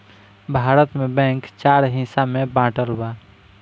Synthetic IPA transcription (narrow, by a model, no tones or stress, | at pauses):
bʱaɾət̪mebɛ̃ŋkt͡ʃaɾɦĩsamebãːʈəlba